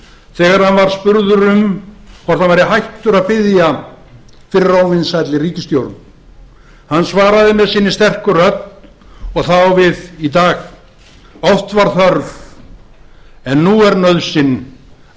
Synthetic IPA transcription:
θɛːɣaɾ̥hanvaɾ̥spʏɾðʏɾʏmkʰvɔr̥t̪anvajɾɪɦajht̪ʏɾaðpɪðja | fɪɾɪrawvɪnsajt̪lɪɾiːcɪst̪jowɾt̪n | hanːsvaːɾaðɪmɛðsiːnːɪst̪ɛr̥kʏrœt̪n | ɔɣθawvɪðit̪aːx | ɔft̪vaɾ̥θœɾv | ɛnːuɛɾnœðsɪn

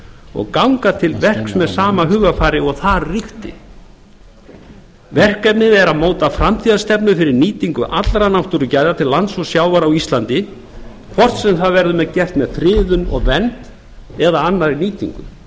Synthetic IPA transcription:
ɔ̰ɣkawŋkat̪ʰɪlvɛr̥ksmɛðsaːmaɦʏːɣafaːɾɪɔɣθaðrixt̪ɪ̰ | vɛr̥kɛp̚nɪðɛɾaðmoːwt̪afɾamt̪ʰiːðast̪ɛpnʏfɪɾɪɾniːt̪iŋkʏʔat̪lɾanaw̥t̪ʏɾʏcaːjðat̪ʰɪlːant̪sɔsjaːwvaɾawist̪lant̪ɪ | kʰvɔr̥t̪sɛmθaðvɛɾðʏmɛðcɛr̥t̪mɛðfɾɪːðʏnɔ̰ɣvɛnt̪ | ɛðaanːaɾiniːt̪ḭŋkʏ̰

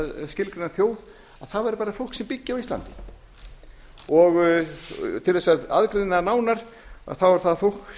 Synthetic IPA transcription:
ðscɪlkɾɪnaɾθjoːwð | aðθaðvaɾpaːɾafow̪ksɛmpicːɪawist̪la̰nt̪ɪ̥ | ɔɣ | t̪ʰɪlθɛsːaða̰ðkɾejnanaːwnaɾ̥ | a̰θawvaɾ̥θaðfowl̥k

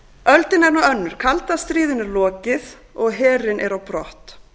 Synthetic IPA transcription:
œlt̪ɪnɛɾnaœnːʏɾ̥kʰalt̪ast̪ɾiːðʏnɛɾlɔːcɪð | ɔɣɦɛːɾɪnʔɛɾawpɾɔht̪

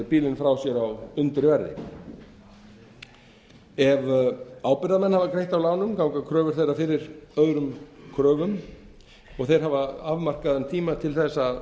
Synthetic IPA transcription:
piːlɪnfɾawsjɛɾawʏnt̪ɾɪvɛɾðɪ̰ | ɛvaːwpɪɾðamɛnhavakɾejht̪awlaːwnʏmkaːwŋkakʰɾœːvʏɾ̥θejɾafɪɾɪɾ̥œɣɾʏmkʰɾœːvʏm | ɔɣθejɾ̥ɦavaavmar̥kaðʏnt̪ʰiːmat̪ʰɪlθɛsːa

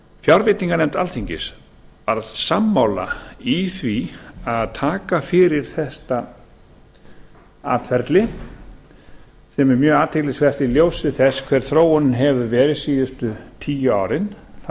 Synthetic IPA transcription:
fjaɾvɪt̪niŋkanɛjmt̪alθiɲcɪs | vaɾasamːawla̰iθviaðt̪ʰaːkafɪɾɪɾ̥θɛst̪a | a̰ːt̪fɛɾt̪lɪ | sɛmɛɾmjœːaːt̪ʰɪklɪsvɛr̥t̪ɪljoːwsɪθɛskʰvɛɾ̥θɾoːwɔnʏɦɛvʏvɛːɾɪðsiːðʏst̪ʏt̪ʰiːjʏa̰wɾɪnθ

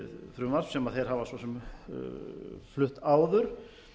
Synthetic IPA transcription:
θɾʏːmaɾfsɛmaðθejɾ̥ɦavasvɔsɛm | flʏht̪aːwðʏɾ̥

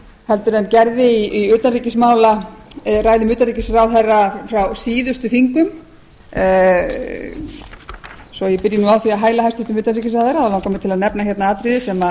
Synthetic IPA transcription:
hɛlt̪ʏɾɛncɛɾðɪiiʏːt̪anriːcɪsmaːwlaraːjðɪmʏːt̪anɾicɪsɾawθɛrːafɾawsiːðʏst̪ʏθiŋkʏm | sɔjɛpɪɾjɪnuawθiaɦaːjlaɦajst̪ʏt̪ʏmʏːt̪anriːcɪsaːθaɾaðawlawŋkamɪt̪ʰɪlaðnɛpnaçjɛt̪naaːt̪ɾiðɪsɛma

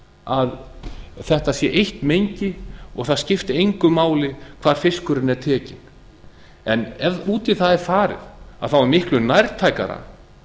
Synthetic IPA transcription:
aðθɛht̪asjɛʔejht̪mejɲcɪɔ̰ɣθaðscɪft̪ɪejŋkʏmaːwlɪkʰv̥aːɾ̥fɪskʏɾɪnɛɾt̪ʰɛːcɪn | ɛnɛuːt̪iθaðɪ̥faːɾɪ̰ða̰ðθawamɪhklʏnajɾt̪ʰaːjka̰ɾa̰

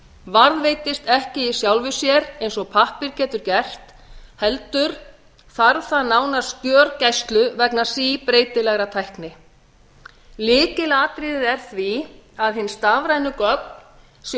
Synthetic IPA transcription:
vaɾðveːjt̪ɪst̪ɛhcɪisjawlvʏsjɛɾejnsɔɣpʰahpɪɾcɛːt̪ʏɾcɛl̥t̪ | hɛlt̪ʏɾ̥ | θaɾθaðnaːwnaɾ̥scœːɾcajst̪lʏvɛknḁsipɾeːjt̪ɪlɛɣɾat̪ʰajhknɪ | lɪːcɪlaːt̪ɾɪðɪðɛɾ̥θviaðhɪnst̪aːvɾajnʏkœp̚n | s

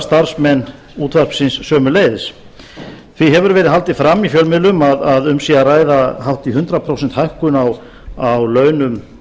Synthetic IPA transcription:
st̪aɾ̥smɛnː | uːt̪ʰvar̥psɪnsːœːmʏleːjðɪs | θviɦɛvʏɾvɛːɾɪðɦalt̪ɪfɾamːifjœlmɪlʏmaðaðʏmsiːaraːjðahawht̪iɦʏnt̪ɾapʰɾowsɛnt̪hajhkʏnaw | awlœːɥnʏm

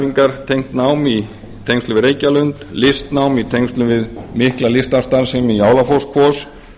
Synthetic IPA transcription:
iŋkaɾ̥t̪ʰejŋ̥t̪nawmi | t̪ʰejŋkst̪ʏvɪɾeːjcalʏnt̪lɪst̪nawmit̪ʰejŋst̪lʏvɪðmɪhklalɪst̪ast̪aɾsɛmijaːwlafowskʰvɔs

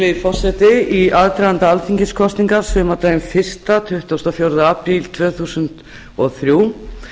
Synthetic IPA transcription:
ɪfɔr̥sɛt̪ɪiʔaðt̪ɾaɣant̪aalfiɲcɪskʰɔst̪niŋkasvʏmat̪amfɪr̥st̪at̪ʰʏht̪ɔst̪ɔfjowɾðaaːpɾilt̪ʰvœːθuːsʏnt̪ | ɔɣθɾjuː

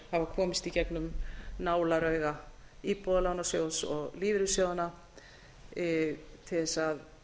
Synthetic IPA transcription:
havakʰɔːmɪst̪icɛknʏmnaːwlaɾœɥɣaiːpɔðalanasjowsɔɣliːvɾʏsjoːwðana | t̪ʰɪθɛsað

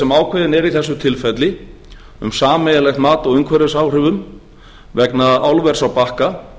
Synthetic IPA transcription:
ɛmaːwkʰvɛːðɪnɛɾiθɛsːʏt̪ʰɪlfɛt̪lɪ | ʏ̰msaːmɛjalɛxt̪maːt̪ɔɣʏŋkʰvɛɾɪsaːwr̥ɪvʏm | vɛknaawlvɛɾ̥sawpahka

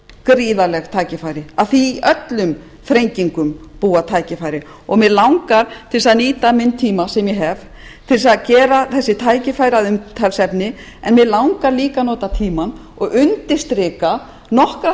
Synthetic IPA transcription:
kɾiːðalɛɣt̪ʰaːjcɪfaːjɾɪaðθiʔœt̪lʏm | fɾejɲciŋkʏmpuːat̪ʰaːjcɪfaːjɾɪ | ɔɣmɛðlawŋkaɾ̥t̪ʰɪlsaðniːt̪amɪnt̪ʰiːmasɛmjɛɦɛv | t̪ʰɪlsaðcɛːɾaθɛsːɪt̪ʰaːjcɪfaːjɾaðʏmt̪ʰɛlsɛpnɪ | ɛnmɛðlawŋkaɾliːkanɔːt̪at̪ʰiːman | ɔɣʏnt̪ɪ̥st̪ɾɪːka | nɔhka

